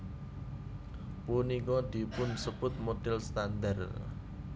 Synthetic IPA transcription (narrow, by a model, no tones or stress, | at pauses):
punikɔd̪̥i̤pʊnsəb̥ʊt̪̚mot̪ɪlst̪and̪ər